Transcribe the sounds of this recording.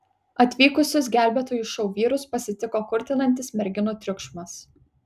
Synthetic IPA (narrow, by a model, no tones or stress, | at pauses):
ɐt̪ʲʋʲiːkʊsʲʊs̬ɡʲæˑlʲbʲɛt̪oːjuʃɒʊʋʲiːɾʊspɐsʲɪt̪ʲɪkoːkʊɾʲt̪ʲɪnɐnʲt̪ʲɪsmʲɛɾʲɡʲɪnuːt̪ʲɾʲʊkʃmɐs